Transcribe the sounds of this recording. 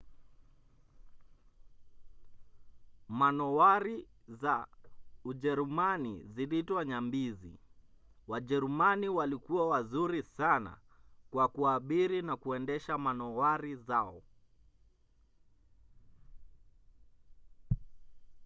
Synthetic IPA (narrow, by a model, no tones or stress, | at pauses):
manɔwaɾi | za | uʄɛɾumanḭzilitwaɲambizḭ | waʄɛɾumaniwalikuwawazuɾisana̰ | kwakuaɓiɾinakuɛndɛʃamanɔwaɾizaɔ